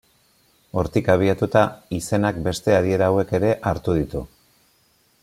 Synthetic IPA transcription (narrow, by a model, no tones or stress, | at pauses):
o̞ɾt̪ikaβ̞iat̪ut̪aise̞nakbe̞st̪e̞aɾie̞ɾaːwe̞ke̞ɾe̞ʔaɾt̪uð̞it̪u